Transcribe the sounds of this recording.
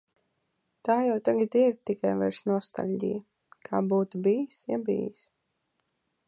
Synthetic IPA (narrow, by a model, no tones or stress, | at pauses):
t̪aːjawt̪aɡat̪iɾt̪ikajva̰ɾsnɔst̪a̰lʲɟḭj | kʰaːbuːt̪ubijsjabḭːjs